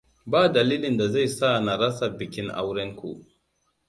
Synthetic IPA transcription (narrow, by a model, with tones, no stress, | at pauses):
baː˦dɐ˨liː˦lɪ˨nda˨za˦˨jsa˦na˨ɾɐ˦sa˨bɪ˨kʲɪ˦ŋʔa̰˦wɽɛ˦ŋkʷṵ˨ʔ